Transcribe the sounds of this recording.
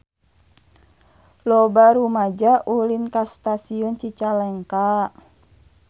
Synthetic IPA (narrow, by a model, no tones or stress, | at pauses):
lɔbaɾumad͡ʒaʔulinkast̪asiɔnt͡ʃit͡ʃalɛŋka